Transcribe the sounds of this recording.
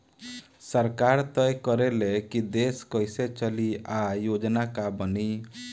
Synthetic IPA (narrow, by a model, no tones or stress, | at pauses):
sɔɾkaɾt̪ɔjkɔɾelekid̪eskɔjset͡ʃɔliajod͡ʒɔnakabɔni